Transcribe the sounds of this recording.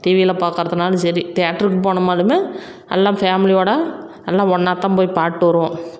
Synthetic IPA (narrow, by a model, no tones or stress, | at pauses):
ʈiːʋiɪlɐpaːkɾɐðɯnaːlɐsɐɾit̪ɪjaːʈːɐɾɯkːɯpoːɳɐmaːðɾɯmeː | ɛlːãːfaːmɪlɪjoːɽɐ | ɛlːãːɔɳːaːt̪ːãːpoːjpaːʈːɯʋɐɾɯʋõː